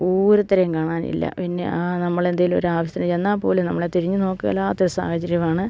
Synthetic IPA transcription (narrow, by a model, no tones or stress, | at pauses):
oːɾut̪ːɐɾɐjumkaːɳaːnḭlːɐ̰pinːe̞ʔaːnɐmːɐɭe̞nd̪ɐjilo̰ɾuaːʋɐɕt̪ɐnɐt͡ɕenːaːpo̞ːlunɐmːɐɭet̪iɾiɲːuno̞ːkːɨḛlːaːt̪ːoɾusa̰ːhɐt͡ɕːɐɾjɐmaːɳɨ